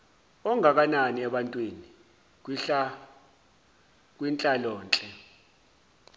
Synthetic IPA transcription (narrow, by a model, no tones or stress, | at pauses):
ɔŋʱak̬ananiɛɓantʼwini | a | k̬ʼwint͡ɬʼalɔːnt͡ɬʼɛ